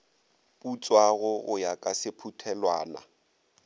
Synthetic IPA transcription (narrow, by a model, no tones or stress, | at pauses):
put͡sʼwaɣʊɣʊjakʼasɪpʰutʰɛlwaːna̰